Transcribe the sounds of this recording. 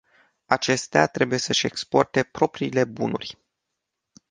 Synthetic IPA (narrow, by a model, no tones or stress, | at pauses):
at͡ʃe̞st̪eat̪ɾe̞buje̞səʃʲe̞kspo̞rt̪e̞pɾo̞pɾiːle̞bunṵrʲ